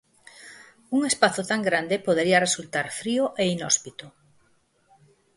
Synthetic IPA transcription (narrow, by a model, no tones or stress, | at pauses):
uŋespaθʊt̪aŋɡɾand̪epoðeɾiɐresult̪aɾfɾioʔeinɔspit̪ʊ